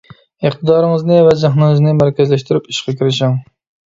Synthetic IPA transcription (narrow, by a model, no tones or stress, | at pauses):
ɪχt̪ɨd̪ɑːɾɨŋəznɪvɛd͡ʒæχnɨŋɨznɪmæɾkʲɛzlæʃt̪yɾypiʃqɑkʲʰiɾɪʃɪŋ